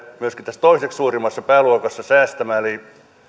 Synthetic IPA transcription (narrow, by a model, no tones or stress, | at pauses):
myøskit̪t̪æst̪oisekssuːrimːɑsːɑpæːluokɑsːɑsæːst̪æmæːeliˑ